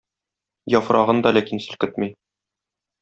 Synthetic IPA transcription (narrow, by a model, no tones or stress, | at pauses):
jɒfɾʔɑʁɤnd̪ɒlækinsɵ̆lkɘt̪mij